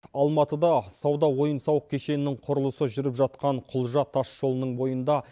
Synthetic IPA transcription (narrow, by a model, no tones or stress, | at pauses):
ɑlˠmɑt̪əd̪ɑsɑwd̪ɑwo̞jənsɑwəq̚kʲʰe̞ʃe̞nɪnːɪŋɴqʰʊɾəlˠəsəʒʏɾɪpʒɑt̪̚qɑɴqʰʊlˠʒɑt̪ʰɑsʒo̞lˠənəɴbo̞jənd̪ɑ